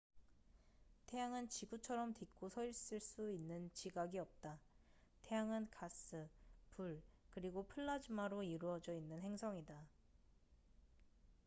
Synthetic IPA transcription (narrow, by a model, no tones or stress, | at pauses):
tʰe̞jaŋɯnt͡ɕiɡut͡ɕʰʌɾʌmtik͈osʰʌiɭs͈ɯɭs͈uinːɯnt͡ɕiɡaɡiʌp̚t͈a | tʰe̞jaŋɯnkas͈ʰɯpuɭkɯɾiɡopʰɯɭːad͡ʑimaɾoiɾuʌd͡ʑʌinːɯnɦe̞ŋsʰʌŋida